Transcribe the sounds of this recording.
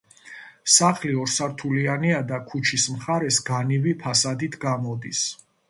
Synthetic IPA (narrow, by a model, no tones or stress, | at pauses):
saχliɔɾsaɾt̪ʰulianiad̪akʰut͡ʃʰismχaɾɛsɡanivipʰasad̪it̪ʰɡamɔd̪is